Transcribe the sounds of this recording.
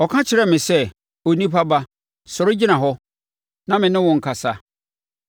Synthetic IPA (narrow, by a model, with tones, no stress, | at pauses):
ɔ˨kʰã˦t͡ɕʰɪ˨ɾɛ˦mɪ̃˨sɛ˦ | o˨nĩ˦pʰa˦ba˦ | sɔ˨ɾʊ˦d͡ʑi˦nã˨ɦɔ˦ | nã˦mɪ̃˨nɪ̃˦wɔ̃˨ŋ̩˨kʰa˨sa˨